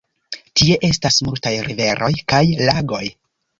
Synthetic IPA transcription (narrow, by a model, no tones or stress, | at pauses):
tie̞ʔe̞stasmultajɾive̞ɾʔo̞jkajlaɡo̞j